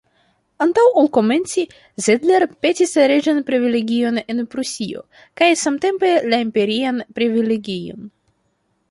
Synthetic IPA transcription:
antawolko̞me̞nt͡si | zedle̞ɾpe̞tislaɾe̞d͡ʒanpɾivile̞ɡʲio̞ne̞npɾusio̞̰ | kajsamte̞mpe̞laimpe̞ɾianpɾivileɡijo̞̰n

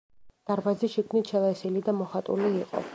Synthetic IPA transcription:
d̪̥aɾbaziʃikʰvnit̪ʃɛlˠɛsilid̪amɔχat̪ʼṵliːqʼɔ̰

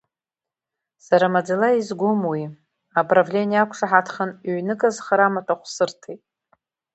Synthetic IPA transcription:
saɾamad͡zalaizɡʷʊmwi | apravlʲe̞niakʷʰʂaħatʰχanʕnɨkʼazχaɾamatʰʼaχʷsɨrtʰejtʼ

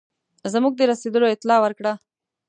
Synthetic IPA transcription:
zamuk̚d̪eɾɐsed̪əloɪt̪lɑːwəɾkɽa

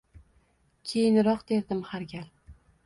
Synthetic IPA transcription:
kʲʰejɪnɾɒqd̪e̞ɾd̪ɪmhaɾɡʲal

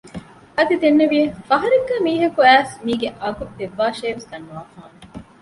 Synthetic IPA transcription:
ɐd̪id̪enːeʋijefɐɦɐɾeɡːɐːmiːɦɐkuæːsmiːɡeʔɐɡut̪ːeʋːaːʃeːʋesd̪ɐnːuʋaːfaːŋ

